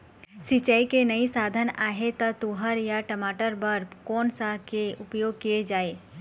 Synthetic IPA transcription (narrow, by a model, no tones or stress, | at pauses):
sit͡ʃəikenəisaːd̪ʱənaːɦet̪ɐt̪uɦəɾjaʈəmaːʈəɾbəɾpkɔːnsakeʊpjoːɡ̚kijed͡ʒaːeː